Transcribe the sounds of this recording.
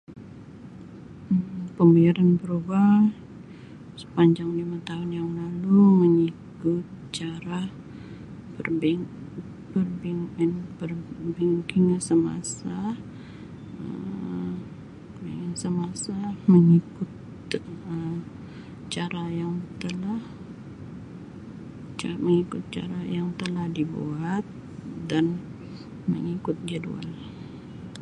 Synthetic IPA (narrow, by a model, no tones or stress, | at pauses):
əmpəmbijaɾanbəɾuba | sə̥paɲd͡ʒaŋlimat̪aɦʊnjaŋlaluməŋikʊt̪̚t͡ʃaɾa | bərbɛŋ | bərbiŋɛnbərbɛŋkɪŋsəma̰sa | ə̰ | səmasaməŋikʊt̪ | ə | t͡ʃaɾajaŋt̪əlah | t͡ʃaməŋikʊt̪̚t͡ʃa̰ɾajaŋt̪əlahdibṵat̪̚ | dan | mə̰ŋikʊt̪̚d͡ʒədṵa̰l